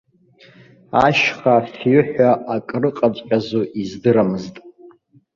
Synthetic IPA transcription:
aʃχafjʏħʷᶣaʔakʼrɨqʼat͡sʷʼħʼᶣazuʔizdɨɾamɨztʼ

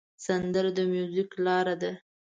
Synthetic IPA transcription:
sand̪əɾd̪əmjuziklɑɾad̪a

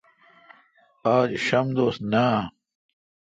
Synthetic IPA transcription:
aːd͡ʑɕɐmd̪oːst̪naː

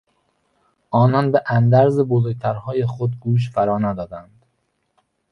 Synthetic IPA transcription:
ʔɒːnɒːnbeʔænd̪æɾzebozoɟ̚t̪ʰæɾhɒːje̞xod̪̚ɡuːʃ̬fæɾɒːnæːd̪ɒːd̪ænd̪̥

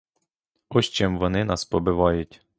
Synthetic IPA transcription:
ɔʃt͡ʃɛmʋɔnɪnɑspɔbɪʋɑjʊtʲ

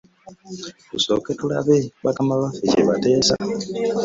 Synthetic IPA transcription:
kuso̞̰ketula̰βeβakamaβafecḛβate̞ːsa̰

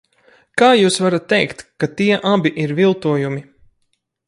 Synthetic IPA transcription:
kaːjuːsvaɾat̪ːɛjkt̪kat̪iɛʔabiʔiɾvilˠt̪uɔjumi

